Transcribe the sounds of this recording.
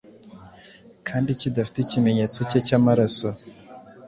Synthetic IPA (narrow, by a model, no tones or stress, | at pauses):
kʰaːndicidafi̥tecime̞ɲet͡socecamaɾaso